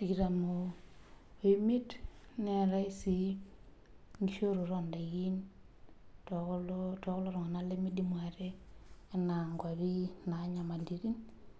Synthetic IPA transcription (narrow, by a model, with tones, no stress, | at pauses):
ti˨ɾa˨mo˨ | e˨˦mi˦t | ne˨ɾa˦i˦si˨ | ŋɡi˨ʃo˦ɾu˨ɾo˦˨nda˨ɡi˦n | to˨klto˦ko˦lo˦ɾo˨ŋa˨na˦le˦mi˦di˦mwa˨ɾeː˦na˨ŋɡwa˨βi˦na˨˦ɲa˨ma˨li˨ɾi˦n